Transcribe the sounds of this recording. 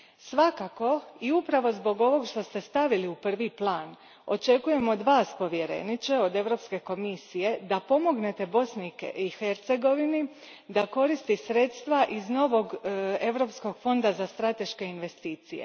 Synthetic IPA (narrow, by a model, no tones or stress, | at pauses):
sʋakako̞iupɾaʋo̞zbo̞ɡo̞ʋo̞ɡʃt̪o̞st̪e̞st̪aʋiliupr̩ʋiplˠaːn | o̞̰t͡ʃe̞kuje̞mod̪ʋaːspo̞ʋje̞ɾe̞̰nit͡ʃe̞o̞d̪e̞ʋɾo̞pske̞ko̞misije̞d̪apo̞mo̞ɡne̞t̪e̞bo̞snikḛixe̞ɾt̪se̞ɡo̞ʋini | d̪ako̞ɾist̪isɾe̞t̪st̪ʋaʔizno̞ʋo̞ɡe̞ʋɾo̞psko̞ɡfo̞nd̪azast̪ɾat̪e̞ʃke̞inʋe̞st̪iːt̪sijḛ